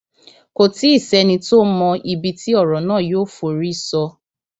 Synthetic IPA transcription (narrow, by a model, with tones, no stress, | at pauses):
ko˨ti˦i˦˨sɛ˧nĩ˧to˦mɔ˧i˦bi˧ti˦ɔ˦˨ɾɔ˨nãː˦˨jo˦fo˨ɾi˦sɔ˧